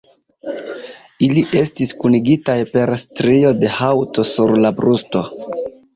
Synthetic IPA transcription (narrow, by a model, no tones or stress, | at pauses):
iliʔe̞stiskuniɡitajpe̞ɾstɾio̞de̞hawto̞suɾlabɾusto̞